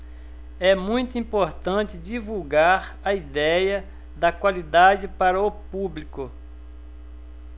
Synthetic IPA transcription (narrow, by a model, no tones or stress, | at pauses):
ɛmũj̃t̪ʊĩpoɾt̪ɐ̃t͡ʃɪd͡ʒivuwɡaɾ | ɐid̪ɛjɐ | d̪ɐkwalid̪ad͡ʒɪpaɾɐʊpublikʊ